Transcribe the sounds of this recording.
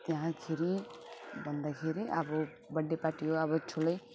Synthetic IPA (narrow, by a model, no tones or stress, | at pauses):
t̪jeɦãkʰeɾibʱʌnd̪akʰeɾiʔʌbʌ | bʌɖːepaʈiɦoʌbʌt͡sʰulʌj